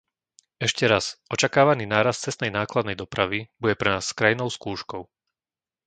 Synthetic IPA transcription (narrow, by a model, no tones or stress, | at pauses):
ɛʃcɛɾasɔt͡ʃakaːʋaniːnaːɾast̪t͡sɛst̪nɛjnaːklad̪nɛjd̪ɔpɾaʋibuɟɛpɾɛnaːsskɾajnɔʊskuːʃkɔʊ